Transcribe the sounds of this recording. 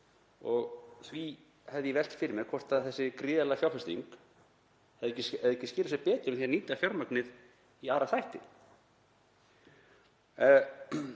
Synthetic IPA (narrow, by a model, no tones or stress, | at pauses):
ɔɣθvi | hɛvðjɛvɛl̥t̪fɪɾɪmɛðkʰvɔr̥t̪aθɛsːɪkɾiːðɛlafjawfɛst̪ḭŋk | hɛðɛcːɪsɛðɛcːɪscːlasɛpɛːt̪ʏmθjɛɾniːt̪afjawɾmœknɪð | iaːɾaθajht̪ɪ